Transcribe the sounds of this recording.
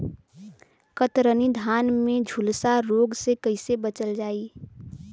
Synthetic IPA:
kət̪ɾənid̪ʱaːnmẽd͡ʒʱulsaɾoːɡsekəɪsebət͡ʃəld͡ʒaːi

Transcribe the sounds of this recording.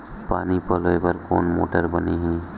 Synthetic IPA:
pa̰ːnipəloepəɾkoːnmo̰ːʈəɾbəniɦɛ̃ː

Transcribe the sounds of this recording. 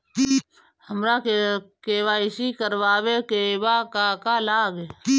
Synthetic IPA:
həmɾakekeːʋaɪsikəɾʋaːʋekeːʋakaːkalaːɡe

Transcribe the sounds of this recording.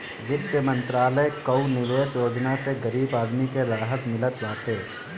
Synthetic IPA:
ʋɪt̪jəmə̃nt̪ɾaːləekəʊnɪʋeːʃjoːd͡ʒnaseɡɐɾiːbaːd̪mikeɾaːɦət̪mɪlət̪d͡ʒaːt̪e

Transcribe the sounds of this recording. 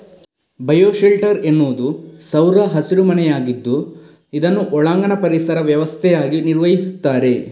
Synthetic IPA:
bɐjoːʃilʈɐɾenːuʋud̪usɐwɾɐɦɐsiɾumɐnɛjaːɡid̪ːu | id̪ɐnːuʔɔɭaːŋɡɐɳɐpɐɾisɐɾɐʋjɐʋɐst̪ʰɛjaːɡiniɾʋɐjisut̪ːaːɾe̞

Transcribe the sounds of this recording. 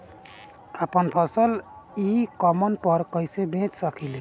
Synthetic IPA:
əpənpʰəsəlikəmənpəɾkəɪsebʱẽt͡ʃsəkʰili

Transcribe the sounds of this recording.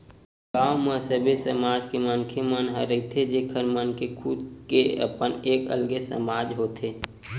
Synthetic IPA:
ɡaːwmə̃səbʱesəmaːd͡ʒkemənkʰemənɦəɾəɦit̪ʰed͡ʒeːkʰəɾmənkekʰʊd̪keə̰pəneːkə̰lɡesə̰maːd͡ʒɦoːt̪eː

